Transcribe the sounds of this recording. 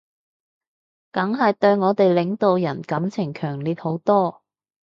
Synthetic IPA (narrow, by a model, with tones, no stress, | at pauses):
kɐ˨˥ŋɦɐ˨jt̪ɵ˧ɥŋɔː˨˧t̪e˨jlɪ˨˥ŋt̪o˨˧wjɐ˨˩nkɐ˨˥mt͡sʰɪ˨˩ŋkʰœː˨˩ŋliː˨t̚ho˨˥wt̪ɔː˥